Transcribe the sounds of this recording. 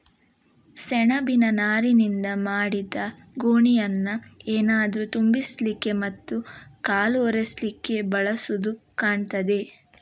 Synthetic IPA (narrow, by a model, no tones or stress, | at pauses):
sɛɳɐbinɐnaːɾinind̪ɐmaːɽid̪ɐ | ɡuːɳijɐnːɐeːnaːd̪ɐɾut̪umbislikːe̞mɐt̪ːukaːlɔɾeslikːe̞bɐɭɐsud̪ukaːɳt̪ɐd̪e̞